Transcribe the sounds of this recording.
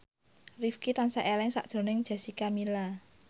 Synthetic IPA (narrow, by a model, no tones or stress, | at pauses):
rifkit̪ansaʔelɛŋsa̰ʔd̥ʒ̥o̤nɪŋd̥ʒ̥a̤sikamila